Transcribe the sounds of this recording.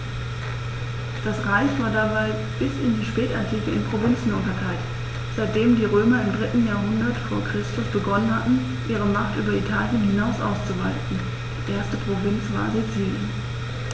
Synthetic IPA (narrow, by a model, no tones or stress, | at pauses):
d̥asʁaɪçv̥aːɐdabaɪ | b̥ɪsɪndiːʃpɛːtaɐtʰiːkl̩ɪnpʁ̥ovɪnt͡sn̩ʊntɐkʰaɪt | z̥aɪt̚d̥eːmdiːʁøːmɐɪmdʁɪtn̩jaːɐɦʊndɐtfoːɐkʁ̥ɪstʊsb̥əɡɔnənhatn̩ | ʔiːʁ̞əmaχtʔyːbɐitʰaːljənhɪnaʊsʔa̰ʊst͡suvaɪtn̩ | d̥iːʔeːɐstəpʁ̥ovɪnt͡sv̥a̰ːɐzet͡siːljən